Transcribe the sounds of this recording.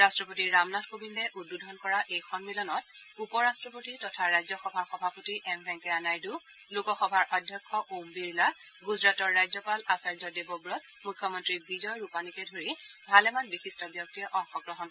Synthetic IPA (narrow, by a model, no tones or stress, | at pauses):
ɹastɹɔpotiːamnɔtʰkobindɛʔud̚budʱɔnkɔɹaʔejxɔnmilɔnɔt | upɔɹastɹɔpotitɔtʰaɹajzɔxɔbʱaɹxɔbʱapotiʔɛmbʱɛŋkɛanajdu | lokɔxɔbʱaɹʔɔdʱjɔkʰːɔʔombiɹla | ɡuzɹatɔɹːajzɔpalasaɹd͡ʒɔdebɔbɹɔt̚ | mukʰːjɔmɔntɹibizɔjɹupanikɛdʱoɹibʱalɛmanbixistɔbjɔk̚tiʔɔŋxɔɡɹɔɦɔn